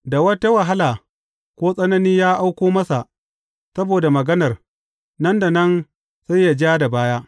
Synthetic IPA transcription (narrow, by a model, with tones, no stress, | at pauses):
da˨wɐ˦ta˦wɐ˨ɦa˦laː˨ | kʷoː˦sʼɐ˦nɐ˦niː˦jaː˦ʔa˦wkʷoː˦mɐ˦sa˨ʔ | sɐ˦boː˨da˨mɐ˨ɡɐ˦nɐ˨r | nɐ˦nda˨nɐ˦n | sa˦jːa˨d͡ʒaː˦da˨baː˦jaː˦